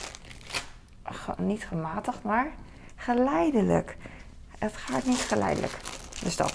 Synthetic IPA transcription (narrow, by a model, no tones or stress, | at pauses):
nitxəmaːtəxmaɹ | χəlɛjdələ̰k | ətxaːtnitxəlɛ̰jdə̰lə̰kdøsdɔ̰t